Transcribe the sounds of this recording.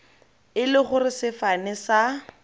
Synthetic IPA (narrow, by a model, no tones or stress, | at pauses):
ɪlɪχʊrɪsɪfanɪsa